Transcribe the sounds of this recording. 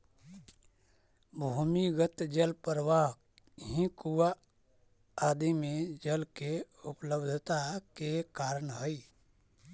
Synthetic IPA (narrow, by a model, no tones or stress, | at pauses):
bʱumiɡət̪d͡ʒəlpəɾʋaɦ | ɦĩkuwa | aːd̪imẽd͡ʒəlke | ʊpləbd̪ʱt̪akekaːɾənɦəi